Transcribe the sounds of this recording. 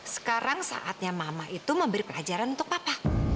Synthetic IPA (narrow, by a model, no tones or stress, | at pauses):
sə̥kaɾaŋsa̰ʔat̪̚ɲamamaʔit̪uməmbəɾipəlad͡ʒaɾanunt̪ʊk̚papa